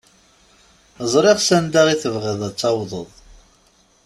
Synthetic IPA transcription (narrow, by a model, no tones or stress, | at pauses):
əzˤɾeʁsænd̪aʁiθəvʁɪðˤæt͡sːɑwðˤə̰ðˤ